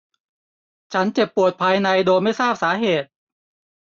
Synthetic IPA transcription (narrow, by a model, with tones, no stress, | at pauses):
t͡ɕʰa˦˥nt͡ɕe˨˩pːu˨˩ət̪̚pʰaː˧jna˧jdoː˧jma˥˩jsaː˥˩p̚saː˩˦ɦeː˨˩t̪̚